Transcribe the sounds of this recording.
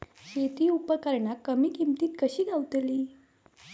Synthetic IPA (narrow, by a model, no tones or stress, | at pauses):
ɕet̪iːupəkəɾɳakəmiːkimt̪iːt̪kəɕiːɡʱawt̪liː